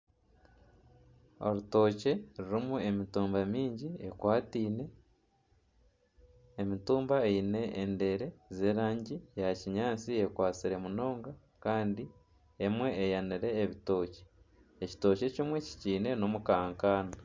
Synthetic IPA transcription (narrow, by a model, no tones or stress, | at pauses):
o̞̰ɾuto̞ːce̞ɾuɾimue̞mituːmbamiːɲɟiekwaːtiːne̞ | mituːmbaeine̞ende̞ɾe̞ze̞ːɾaːɲɟijaciɲaːt͡sie̞kwaːt͡siɾe̞muno̞ːŋɡa | kaːndi | emwe̞ːjaniɾe̞ːβito̞ːce̥ | eci̥to̞ce̞cimwe̞ci̥ciːne̞no̞mukaːŋkaːna